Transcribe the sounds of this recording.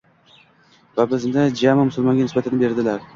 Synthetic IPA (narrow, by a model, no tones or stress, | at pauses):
vabɪznɪd͡ʒamɪmʊsʊlˠmɒŋɡʲanɪsbat̪ʰanɪbe̞ɾd̪ɪlaɾ